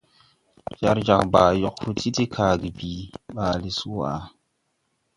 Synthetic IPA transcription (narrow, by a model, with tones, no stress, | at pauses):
ja˦ɾd͡ʒa˨ŋbaː˨jɔ˨khu˦ti˦ti˦kʰaː˨ɡi˨biː˨ɓaː˨li˨su˦a̰˨